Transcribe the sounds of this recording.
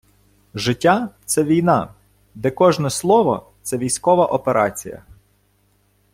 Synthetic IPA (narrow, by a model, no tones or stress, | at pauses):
ʒɪtʲːat̪sɛʋʲijnɑ | d̪ɛkɔʒnɔslˠɔʋɔ̰t̪sɛʋʲijsʲkɔʋɐʔɔpeɾʔɑ̰t͡sʲḭjɐ̰